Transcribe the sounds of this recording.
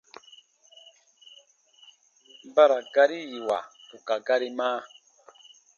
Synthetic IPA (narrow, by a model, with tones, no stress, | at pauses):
ba˦ɾa˨ɡa˦ɾi˦ji˨wa̰˨pu˨ka˨ɡa˦ɾi˦maː˦